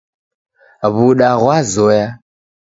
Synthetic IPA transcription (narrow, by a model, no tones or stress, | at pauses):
βuɗaɣwazɔja